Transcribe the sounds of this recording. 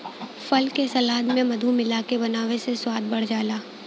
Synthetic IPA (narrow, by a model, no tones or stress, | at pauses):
fɐlkesɐlaːd̪mẽmɐd̪ʱumɪlaːkebɐnaːweseswaːd̪̚bɐɽ̤d͡ʒaːlaː